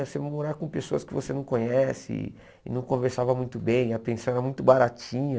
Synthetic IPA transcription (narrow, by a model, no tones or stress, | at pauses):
semoɾaɾkõpesoɐskɪvosenɐ̃w̃kõɲɛsɪ̰ | ɪnɐ̃w̃kõveɾsavɐmũj̃t̪ʊbẽj̃ɐpẽsɐ̃w̃ɛɾɐmũj̃t̪ʊbaɾat͡ʃĩɲɐ